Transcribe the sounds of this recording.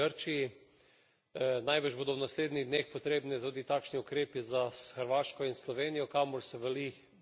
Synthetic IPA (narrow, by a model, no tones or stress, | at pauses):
əɾt͡ʃii | najbəʒboːd̪ɔwnasleːd̪niɣd̪neːxpɔt̪ɾeːbnɛt̪uːd̪it̪aːkʃniukɾeːpizasxəɾʋaːʃkɔinslɔʋeːnijɔkamɔɾsɛʋɛli